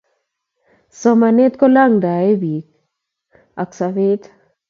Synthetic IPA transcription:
sɔ˦ma˨ne˦t̪kɔ˦la˦ŋda˨e˦bi˨k | a˨ksa˨ve˦t

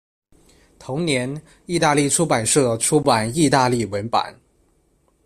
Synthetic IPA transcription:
t̪ʰo˧˥ŋnjɛ˧˥n | i˥˧t̪a˥˧li˥˩ʈ͡ʂʰu˥pa˨˩nʂɤ˥˩ʈ͡ʂʰu˥pa˨˩ni˥˧t̪a˥˧li˥˩wə˧˥npa̰˨˩˦n

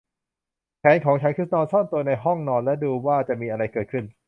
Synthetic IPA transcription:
pʰɛː˨˦˥nkʰɔː˩˦ŋt͡ɕʰa˦˥nkʰɯ˦˥t̪̚nɔː˧nsɔː˥˩nt̪u˧ɐna˧jɦɔ˥˩ŋnɔː˧nlɛ˦˥duː˧waː˥˩t͡ɕa˨˩ʔmiː˧ʔa˧ɾa˧jkɤː˨˩t̪̚kʰɯ˥˩n

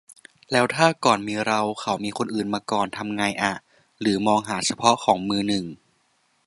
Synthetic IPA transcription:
lɛː˦˥wt̪ʰaː˥˩kɔː˨˩nmiː˧ɾa˧wkʰa˩˦wmiː˧kʰo˧nʔɯː˨˩nmaː˧kɔː˨˩nt̪ʰa˧mŋaː˧jʔa˨˩ | ɾɯː˩˦mɔː˧ŋɦaː˩˦t͡ɕʰa˧pʰɔ˦˥ʔkʰɔː˩˦ŋmɯː˧nɯ˨˩ŋ

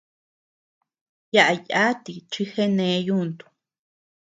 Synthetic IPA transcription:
ja˦ʔa˧ja˦t̪i˧t͡ʃi˦xe˦nẽ˧˦˧ju˦˨nt̪u̥˨

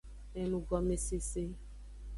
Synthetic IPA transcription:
e˨mũ˨ɡɔ˨me˦se˦se˦

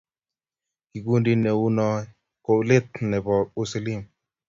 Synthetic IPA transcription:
ki˨ɡu˦ndi˦ne˨u˦nɔ˦ | ko˨le˦t̪̚nɛ˨bɔ˨u˦si˨li˦˨m

